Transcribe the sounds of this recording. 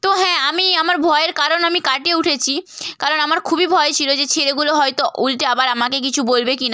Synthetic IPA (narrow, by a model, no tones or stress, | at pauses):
t̪oɦɛ̃amiamaɾbʱɔeeɾkaɾonamikaʈeuʈʰet͡ɕʰikaɾonamaɾkʰubibʱɔet͡ɕʰilod͡ʑet͡ɕʰeɾeɡuloɦɔjt̪oʔulʈeabaɾamakek̬it͡ɕʰubolbekina